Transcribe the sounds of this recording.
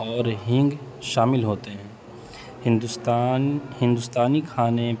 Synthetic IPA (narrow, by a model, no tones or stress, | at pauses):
ɔːɾɦɪ̃ŋɡ | ʃaːmɪlɦoːt̪eɦɛ̃ː | ɦɪ̃nd̪st̪ːhɪ̃nd̪ust̪aːnikʰaːne